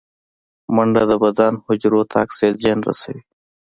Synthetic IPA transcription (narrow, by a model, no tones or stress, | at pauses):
mɐɳɖad̪əbɐd̪aːnhʊd͡ʑɾoːt̪ʰa̰ːkseːt̪̚d͡ʑeːnɾɐ̰sɐ̰i